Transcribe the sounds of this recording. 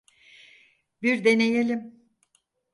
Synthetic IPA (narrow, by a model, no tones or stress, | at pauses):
biɾd̪enejelʲim